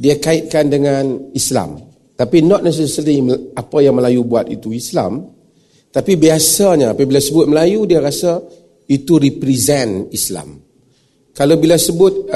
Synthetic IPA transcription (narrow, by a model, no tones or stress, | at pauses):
diakaɪt̪̚kandəŋanisla̰m | t̪apinɔt̪̚nɛs̬ɛsəimapajaŋməlajubuat̪ḭt̪uisla̰m | t̪apibiasaɲaapabilasəbʊt̪̚məlajudiaɾasa | it̪uɾipɾizɛnisla̰m | kalowbilasəbʊt̪̚